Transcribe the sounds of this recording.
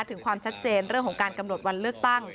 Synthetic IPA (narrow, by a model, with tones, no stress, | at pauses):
jt̪ʰɯ˩˦kʰwaː˧mt͡ɕʰa˦˥t̪̚t͡ɕeː˧nɾɯ˥˩əŋkʰɔ˩˦ŋkaː˧nka˧mno˨˩t̪̚wa˧nlɯ˥˩ək̚t̪a˥˩ŋ